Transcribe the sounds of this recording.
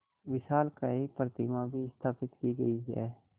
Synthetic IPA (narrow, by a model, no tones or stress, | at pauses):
ʋɪʃaːlkaipɾət̪ɪmabʱiɪst̪ʰaːpɪt̪kiɡɐ̰iɦɛ̰ː